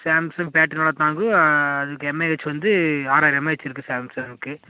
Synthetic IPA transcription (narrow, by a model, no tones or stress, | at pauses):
saːmsɐmpaːʈːɪnoːɭɐt̪ːãːŋɡɯɐðɯkːɯɛmːɛʋɐt͡ʃːɯʋɐnd̪ɯaːɾaːɾjɐmːaːɪʋɛt͡ʃːɪɾɯkːɯsaːmsɐɐnɯkːɯ